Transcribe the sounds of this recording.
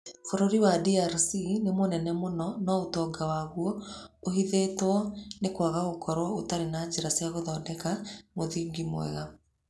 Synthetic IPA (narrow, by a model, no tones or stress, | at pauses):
foɾoɾiwadiaɾsinemonɛnɛmonɔnɔotɔːɡawaɣwɔoɦiðeːtɔnekwaɣaɣokɔɾwɔotaɾenad͡ʒeɾasjaɣoðɔːdɛkamoðiɡimw̰ɛ̰ɣa